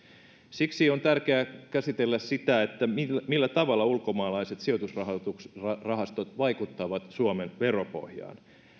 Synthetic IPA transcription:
siksio̞nt̪ærkeækæsit̪elːæssit̪æet̪ːæimilːæt̪ɑʋɑlːɑulko̞mɑːlɑiset̪sio̞t̪usrɑhɑt̪urɑɦɑst̪ot̪ʋɑikut̪ːɑʋɑt̪suomenʋe̞ropo̰hjɑ̰ːn

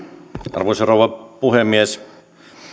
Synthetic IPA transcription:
ʔɑ̰rʋosorowʋɑpuhemːies

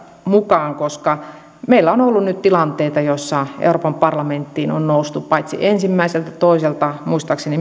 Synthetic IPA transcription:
mukɑːŋkoskɑ | meilːæonolːunnyt̪t̪ilɑnt̪eit̪ɑjosːɑḛuropɑmpɑrlɑment̪ːiːno̰nnoust̪uppɑit̪sḭʔensimːæiselt̪æt̪oˑiselt̪ɑmuist̪ɑkseni

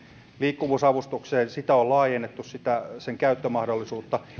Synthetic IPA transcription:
liːkːuʋuːsɑʋust̪ukseːnsit̪æollɑːjenːet̪ːussit̪æseŋkæyt̪ːømɑhdolːisuːt̪ːɑ

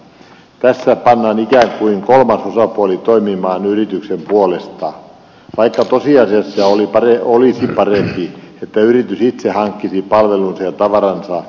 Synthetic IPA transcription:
t̪æsːæpɑnːɑːnikæŋkuiŋkolmɑsosɑpuolit̪oimimɑːnyrit̪yksempuolest̪ɑ | ʋɑikːɑt̪osiɑsesːɑolipɑeolisipɑrempiet̪ːæyrit̪ysit̪sehɑŋkːisipɑlʋelunsɑjɑt̪ɑʋɑɾɑnsɑ

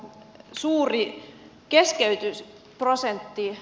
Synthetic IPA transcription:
suːri | keskeyt̪ys | prosent̪ːi

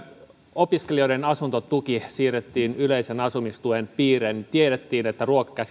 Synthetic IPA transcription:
opiskelioiɾenɑsunt̪ot̪ukisiːret̪ːiːnyleisenɑsumist̪uenpiːrent̪ieɾet̪ːiːnet̪ːæruokɑ̥kæs

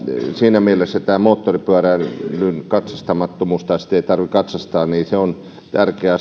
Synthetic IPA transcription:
siːnæmielesːæt̪æːmoːt̪ːoripyærænlynkɑt̪sɑst̪ɑmɑt̪ːomuːst̪ɑjsi̥t̪eit̪ɑrʋikɑt̪sɑst̪ɑːniːseon | t̪ærkeæ

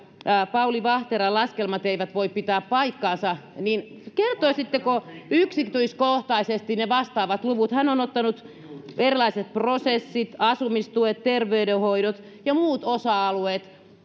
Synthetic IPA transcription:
pɑuliʋɑht̪eɾɑlɑskelmɑt̪eiʋæt̪ʋoippit̪æːppɑikːɑːnsɑnin | kert̪oisit̪ːekoyksikt̪uiskoht̪ɑisest̪ineʋɑst̪ɑːʋɑt̪luʋut̪hænonot̪ːɑnut̪ | erilɑiset̪̚prosesːit̪ɑsumist̪uet̪t̪erʋeydehoiɾot̪ | jɑmuːt̪osɑɑlueːt̪

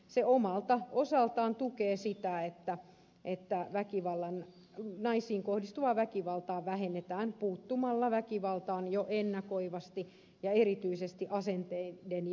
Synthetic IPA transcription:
seomɑlt̪ɑosɑlt̪ɑːnt̪ukeːsit̪æet̪ːæ | ʔet̪ːæʋækiʋɑlːɑn | nɑisiːŋkohdist̪uʋɑʋækiʋɑlt̪ɑːʋæhenːet̪æːnpuːt̪ːumɑlːɑʋækiʋɑlt̪ɑːnjoʔenːɑkoiʋɑst̪i | jɑerit̪yisest̪iʔɑsent̪eiden

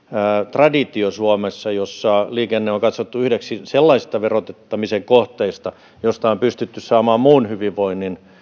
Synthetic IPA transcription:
t̪rɑdit̪iosuomesːɑjosːɑliːkenːeoŋkɑt̪sot̪ːuyhdeksiselːɑisi̥st̪ɑʋerot̪et̪ːɑmiseŋkoht̪eist̪ɑ | jost̪ɑompyst̪yt̪ːyssɑːmɑːmmuːnhyʋiʋʋoinːin

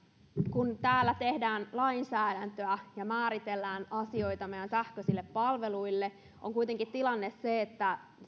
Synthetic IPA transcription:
kunt̪æːlːæt̪e̞hdæːnlɑinsæːdænt̪øæjɑmæːɾit̪elːæːnɑsio̞it̪ɑmejænsæhkøsilːeppɑlʋe̞luilːe | ʔoŋkujt̪eŋkit̪t̪ilɑnːesseːt̪ːæ

